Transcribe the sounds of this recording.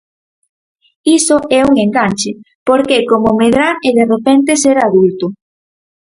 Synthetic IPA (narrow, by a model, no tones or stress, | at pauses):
isoʔɛuŋeŋɡant͡ʃe | poɾkekomomeðɾaɾeðerepɛnt̪̬eseɾaðult̪ʊ